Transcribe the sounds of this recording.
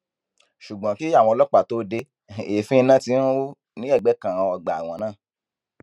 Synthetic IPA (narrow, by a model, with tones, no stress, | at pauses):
ʃu˨ɡ͡bã˨˦ki˦a˦˨w̃ɔ̃˧ɔ˧lɔ˦k͡pa˦˨to˦de˧ | e˨fĩ˦˧˦nã˦tĩ˧˦ũ˦o˦ | nĩ˦ɛ˦˨ɡ͡bɛ˨˦kã˨ã˧ɔ˧ɡ͡ba˨w̃ɔ̃˨˦nãː˦˨